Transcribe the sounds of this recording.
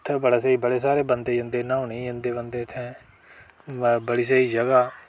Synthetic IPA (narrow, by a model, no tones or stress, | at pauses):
t̪ʰːbəɽaːseiːbəɽeːsaːɾeːbənd̪eːd͡ʒə̃nd̪eːnãːũːnə̃ĩːd͡ʒə̃nd̪eːbənd̪eːt̪ʰɛ̃ː | bəɽiːs̬əiːd͡ʒəɡaː